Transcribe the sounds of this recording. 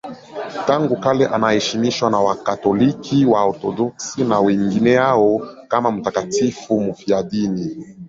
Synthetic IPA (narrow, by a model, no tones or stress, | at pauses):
taŋɡukalɛʔanahɛʃimiʃwanawakatɔlikʰiwaɔɾtɔdɔksinawɛŋɡinɛjaɔkamam̩takatifumufiadini